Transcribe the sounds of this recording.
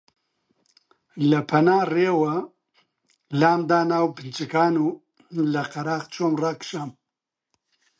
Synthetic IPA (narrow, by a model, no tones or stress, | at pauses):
lɐpʰɐnaːreːwɐ | laːmd̪aːnaːwpɨnt͡ʃɨkaːnuː | lɐqɐɾaːqt͡ʃʰoːmrɑːkʃam